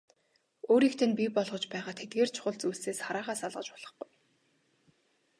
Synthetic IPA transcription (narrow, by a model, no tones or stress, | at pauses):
oːɾiːkt̪ʰɘ̆npʲipɔɮʁɞ̆t͡ɕpæːʁaːt̪ʰet̪̚ɡeːr̥t͡ɕʰʊ̥χʊ̆ɮt͡suɮseːsχaɾaːʁaːsaɮʁə̆t͡ɕpʊɮ̥ə̆χɡʊj